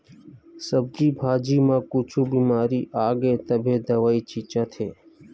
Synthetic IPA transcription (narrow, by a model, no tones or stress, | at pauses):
səb̚d̪iːbʱaːd͡ʒiːmãːkut͡ʃʰuːbiːmaːɾiːʔaːɡeːt̪əbʱeːd̪əʋaːiːt͡ʃiːt͡ʃãːt̪ʰeː